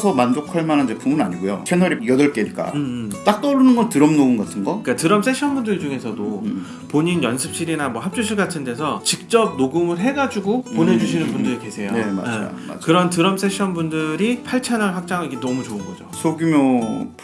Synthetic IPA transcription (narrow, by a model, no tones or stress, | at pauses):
sʰʌmand͡ʑokʰaɭmanand͡ʑepumbunaɲiɡojo̰t͡ɕʰenʌɾijʌdʌɭk͈eiɭk͈a̰t͈ak̚t͈ʌɾunɯnɡʌntɯɾʌmnounɡatʰɯnɡʌik͈atɯɾʌms͈ʰeɕʰʌnbundɯɭd͡ʑuŋe̞sʰʌdo | poɲinjʌnsʰɯp̚ɕ͈iɾinamwʌɦap̚t͡ɕ͈uɕʰiɭɡatʰɯnde̞sʰʌt͡ɕik̚t͡ɕ͈ʌb̚noɡɯmɯɭɦe̞ɡad͡ʑuɡoponɦe̞d͡ʑuɕʰinɯnbundɯɾike̞sʰe̞joema̰ḛa̰kɯɾʌntɯɾʌms͈ʰe̞ɕʰʌnbundɯɾipʰaɭt͡ɕʰanaɭɸwak̚t͡ɕ͈aŋɯiɡenʌmut͡ɕoɯnɡʌd͡ʑosʰoɡjumjop